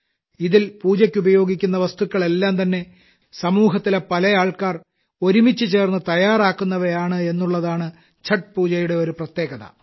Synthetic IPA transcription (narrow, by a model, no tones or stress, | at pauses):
iðilpuːt͡ɕɐkʲːubɐjo̞ːɡikʲːunːɐʋɐst̪ukːɐɭe̞lːaːmt̪ɐnːe̞ | sɐmuːɦɐt̪ːile̞pɐlɐjaːɭkaːr | o̞ɾumit͡ɕːɨt͡ɕe̞ːrnːɨt̪ɐjaːɾaːkːunːɐʋɐjaːɳɨe̞nːuɭːɐðaːɳɨ | t͡ɕʰɐʈ̚puːt͡ɕɐjuɽe̞o̞ɾuprɐt̪je̞ːɡɐðɐ̰